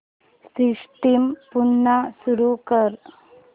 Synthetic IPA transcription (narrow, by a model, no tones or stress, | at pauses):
siʂʈimpuɳːasuɾukəɾ